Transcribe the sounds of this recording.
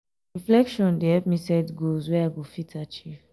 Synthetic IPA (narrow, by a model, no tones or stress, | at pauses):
ɹiflɛkʃɔ̃ndeɛpmisɛtɡozwɛaɪɡofitʰat͡ʃiv